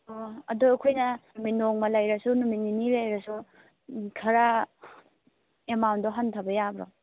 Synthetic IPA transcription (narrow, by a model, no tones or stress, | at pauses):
ɐdukʰojnɐnuminoŋmɐlajɾɐsunumininilajɾasu | kʰɐɾa | emawndɔɦɐntʰabɐjabɾɔ̰